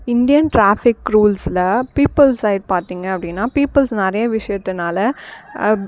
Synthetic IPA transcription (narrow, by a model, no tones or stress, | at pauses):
ɪnd̪ɪjɐnʈɾaːfɪkɾuːlsɪlɐpiːpɐlsɐɪɖpaːɾt̪iːŋɡɐɐpːɐɽɪnːaːpiːpɐlsnɛɾɐjɐʋɪʂɐjɐt̪ːɯnaːlɐ